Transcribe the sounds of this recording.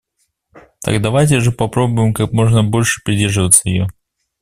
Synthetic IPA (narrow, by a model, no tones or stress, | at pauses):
t̪a̰ɡd̪ɐvajt̬ʲɪʐɨpɐpɾo̞bʊjɪmkakmo̞ʐnəbo̞lʲʂɨ̥pɾʲɪdʲerʐɨvət̪səjɪjo